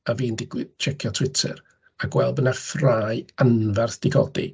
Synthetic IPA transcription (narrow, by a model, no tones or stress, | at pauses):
aviːndɪɡwɪðt͡ʃʰɛkʰjɔtʰw̥ɪtʰɛ̰ɾ | aɡwɛlˠbənafraːjanvarθd̥ɪɡʰɔ̰dḭ